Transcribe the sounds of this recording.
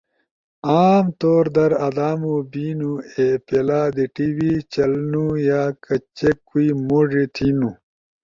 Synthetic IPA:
aːmt̪oːɾd̪ɐɾɐd̪aːmubiːnuepelaːd̪iʈiwit͡ɕɐlnujaːkɐt͡ɕekːuimoʐit̪ʰinu

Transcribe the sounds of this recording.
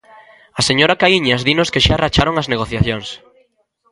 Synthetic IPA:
ɐseɲoɾakaiɲazðinʊskeʃarat͡ʃaɾoŋazneɣ̞oθjaθjoŋs

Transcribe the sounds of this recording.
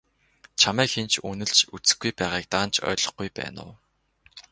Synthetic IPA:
t͡ɕʰamæːkxent͡ɕʰunɘ̆ɮt͡ɕut͡sɘ̥̆xɡujpæːʁaːk̚t̪aːnt͡ɕʰœ̰ːɮɞ̆χɡujpæ̰ːnʊ̰ː

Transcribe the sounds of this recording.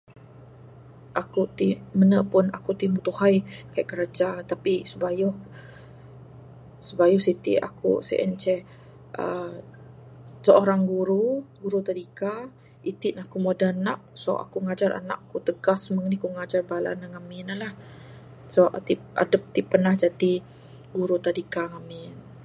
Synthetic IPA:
ʔakut̪imənəʔpʊnakut̪imut̪uhajkaiʔkəɾad͡ʒat̪apisəbajʊh | səbajɔhsit̪ḭʔa̰kṵsɛ̰ʔə̰nt͡ʃɛ | ə | səʔoɾaŋɡuɾuɡuɾut̪adika | it̪iʔnakumodanaʔ̚so̰ʔa̰kuŋad͡ʒaɾa̰na̰ʔkːut̪əɡasməŋnikuŋad͡ʒarbala̰naŋaminalah | sɔʔt̪ip̚a̰dəp̚t̪ipːənahd͡ʒad̪i | ɡuɾut̪adikaŋamɪn

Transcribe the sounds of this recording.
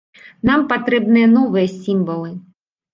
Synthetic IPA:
nampat̪ɾɛbnɨjɐnɔvɨjɐsʲimvɐlˠɨ

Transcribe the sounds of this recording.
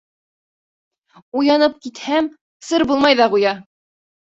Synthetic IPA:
ujɑnɤp̚kit̪hæm | sɤɾbulˠmɑjðɑʁujɑ

